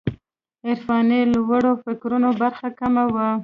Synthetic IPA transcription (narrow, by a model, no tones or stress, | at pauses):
ɪɾfɑnelwəɽofɪkɾunobaɾxakamawə